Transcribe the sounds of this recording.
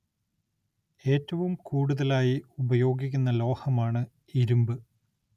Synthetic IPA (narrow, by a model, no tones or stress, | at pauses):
e̞ːtːɐʋumkuːɽuðɐlaːjiubɐjo̞ːɡik̬ʲːunːɐlo̞ːhɐmaːɳɨ | iɾumbɨ